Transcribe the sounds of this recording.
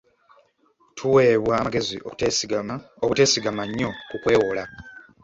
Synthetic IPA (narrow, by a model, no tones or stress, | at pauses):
tʰuwe̞ːβwaːmaɡe̞zḭo̰ | okute̞ːsiɡamaɲːo̞kukwe̞ːwola